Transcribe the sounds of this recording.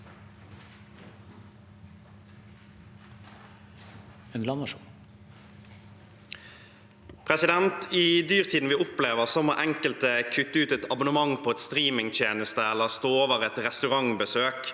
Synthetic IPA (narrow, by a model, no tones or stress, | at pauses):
ɛnlɑnɑʃu | pʰʁɛsɪd̪ɛnt̪id̪yːʁt̪ʰiːd̪n̩ʋiːʊpleːʋəʁsɔməʔɛŋkəlt̪əkʰʉt̪ːəʉːt̪ɛt̪ɑbʊnəmɑŋpʰoːɛt̪st̪ʁiːmɪŋt̪ʰjeːnəst̪əɛlːəʁst̪oːoːʋəʁɛt̪ʁɛst̪ʉʁɑŋbəsøːk